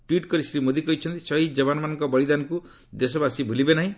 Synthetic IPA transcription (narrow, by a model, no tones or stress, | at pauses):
ʈwiʈkɔɾisɾimod̪ikɔɦit͡ʃʰʌnt̪i̥sɔɦid͡ʒɔbanmanɔŋkɔbʌɭid̪anku | d̪esɔbasibʱulibenaɦĩ